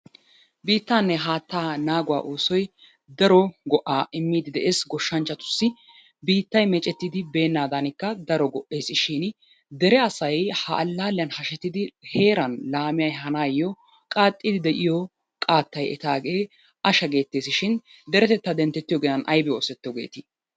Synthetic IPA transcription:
biːt̪ːaːnːɛɦaːt̪ːaːnaːɡʊwa̰ːʔoːsɔj | d̪ɐɾɔɡɔʔaːʔɪmːiːd̪ɪd̪ɛʔe̞ːsɡɔʃːɐnt͡ʃːɐt̪ʊ̥sːɪ | biːt̪ːɐjmɛt͡ʃʼːɛt̪ːɪd̪ɪbe̞ːnːaːd̪ɐnɪkːɐd̪ɐɾɔɡɔʔe̞ːsɪʃɪn | d̪ɛɾɛɐsɐjhɐʔɐlːaːlɪjɐnhɐʃɛt̪ːɪd̪ɪhe̞ːɾɐnlaːmɪjɐjɦɐnaːjːɔ | kʼaːt̪ʼːid̪ɪd̪ɛʔɪjɔ | kʼaːt̪ːɐjɛ̰t̪aːɡe̞ː | ʔɐʃɐɡe̞ːt̪ːe̞ːsɪʃɪn | d̪ɛɾɛt̪ɛt̪ːɐd̪ɛnt̪ːɛt̪ːɪjɔɡeːɐnʔɐjbɛoːsɛt̪ːɪjɔɡḛːt̪i

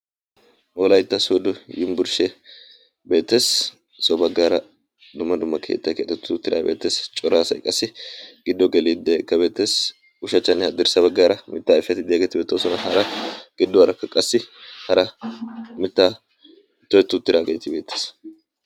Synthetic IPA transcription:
ʔoːlɐjt̪ːɐsod̪ʊjɪmbʊɾʃɛ | be̞ːt̪ːe̞ːs | sɔbɐɡːaːɾɐ | d̪ʊmːɐd̪ʊmːɐkʰḛːt̪ːɐkḛt̪ːɛt̪ːʊt̪ːɪɾa̰ːbeːt̪ːeːst͡ʃʼɔɾaːsɐjkʼɐsːɪɡ̥ɪd̪ːɔɡɛliːd̪ɛkːɐbe̞ːt̪ːe̞ːs | ʊʃɐt͡ʃːɐnːɪɐd̪ɪɾsɐβɐɡːaːɾɐmɪt̪ːaːɛfɪjɐt̪ɪd̪ɪjaːɡet̪ɪbeːt̪ːɐsɔnɐhɐɾɐɡ̥ɪd̪ːɔhɐɾɐkːɐkʼːɐsːɪhɐɾɐ | mɪt̪ːaː | t̪ːɔjɛt̪ːʊt̪ːɪɾaːɡejt̪ːɪbe̞ːt̪ːe̥ːs

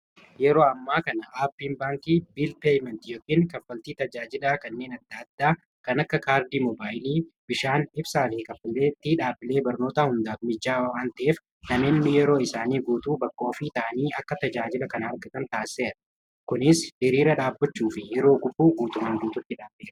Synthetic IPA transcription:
jɛɾo̞ːɐmːaːkɐnɐʔaːbːiːnbaːŋkiːbiːlpeːjmɛnt̪jokːiːŋkɐfːɐlt̪iːt̪ɐd͡ʒaːd͡ʒɪlaːkɐnːe̞ːnɐd̪ːaːd̪ːaː | kɐnɐkːɐkaːɾd̪iːmɔbaːjliːbɪʃaːnɪbsaːfɪhɪkɐfːɐleːt̪ːiːᶑaːbːɪle̞ːbɐɾno̞ːt̪ɐhʊnd̪aːfmɪd͡ʒːaːwaːnt̪ɐʔeːf | nɐmeːnːɪjɛɾo̞ːɪsaːniːɡuːt̪uːbɐkːoːfit̪ɐʔɐniːɐkːɐt̪ɐd͡ʒaːd͡ʒɪlɐkɐnɐhɐɾɡɐt̪ɐnt̪aːsːe̞ːɾɐ | kʊnɪsʔɪɾiːɾɐᶑaːbːɐt͡ʃːuːfɪjɛɾo̞ːɡʊbːuːɡuːt̪ʊmaŋɡ̪uːt̪ʊt̪ːɪᶑaːbeːɾɐɐ

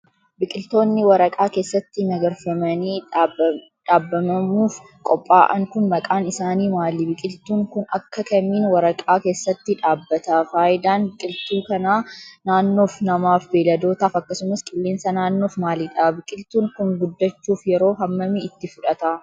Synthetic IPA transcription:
bɪkʼɪlt̪o̞ːnːɪwɐɾɐkʼaːke̞ːsːɐt̪ːɪnɐɡɐɾfɐmɐniː | ᶑaːbːɐmɐmuːf | kʼɔpʼːaːʔɐ̰ŋkʊnmɐkʼaːnɪsaːniːmaːliːbɪkʼɪlt̪uːŋkʊnɐkːɐkɐmiːnwɐɾɐkʼaːke̞ːsːɐt̪ːɪᶑaːbːɐt̪aːfaːʔɪd̪aːnbɪkʼɪlt̪uːkɐnaːnaːnːo̞ːfnɐmaːfbeːlɐd̪o̞ːt̪aːfɐkːɐsʊmɐskʼɪlːeːnsɐnaːnːoːfmaːliːᶑɐabɪkʼɪlt̪uːŋkʊŋɡʊd̪ːɐt͡ʃːuːfjɛɾo̞ːɦɐmːɐmɪɪt̪ːɪfʊᶑɐt̪aː

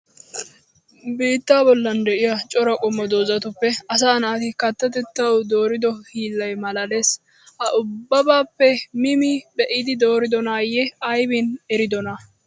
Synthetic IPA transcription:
biːt̪ːaːbɔlːɐnd̪ɛʔɪjɐt͡ʃʼɔɾɐkʼɔmːɔd̪o̞ːzɐt̪ʊpːɛɐs̬aːnaːt̪ɪkɐt̪ːɐt̪ɛt̪ːɐwd̪o̞ːɾɪd̪ɔhiːlːɐjmɐlɐleːs | hɐʔʊbːɐbaːpːɛmɪmɪbɛʔɪd̪ɪd̪o̞ːɾɪd̪ɔnaːjɛɐjbɪnɛɾɪd̪ɔnɐ

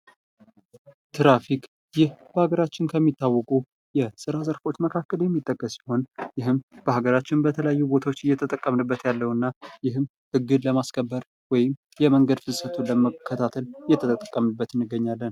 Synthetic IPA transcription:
t̪ʰɾafik | jɪhb̥əhaɡəɾat͡ʃːɪnkʰəmːit̪ːawːɔkʼu | jɛsɨɾazəɾfo̞t͡ʃːməkʰakːəljɛmːit̪ʼːəkʼːəsi̥ho̞njɪɦɨmb̥əhaɡəɾat͡ʃːɪnbət̪ʰələjajːubo̞t̪ʰawot͡ʃːɨjɛt̪ʰət̪ʼəkʼːəmnɨbːət̪jalːəwɨnːajɪɦɨm | hɨɡːɨd̪ləmaskʰəbːəɾ | wɔjɪm | jɛməŋɡəd̪fɨsət̪ʰuləməkʰːət̪ʰat̪ʰəlɪjːɛt̪ʰət̪ʼət̪ʼːəkʼːəmɨbːət̪ɨnːɨɡːəɲːalːən

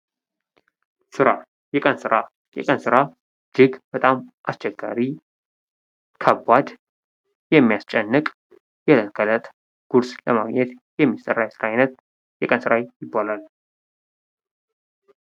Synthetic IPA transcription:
sɨɾa | jɛkʼənsɨɾa | jɛ̰kʼənsɨɾa | d͡ʒɪɡb̥ət̪ʼamʔast͡ʃʰɛɡːa̰ɾi | kʰəbːad̪ | jɛmːijast͡ʃʼɛnːɨkʼ | jɛlənkʰələt̪ʼ | ɡ̥uɾsləmaɡɲɛt̪jɛmːisə̰rːajɛsɨɾaɪnət̪̚ | jɛkʼənsɨɾajjɪbːalal

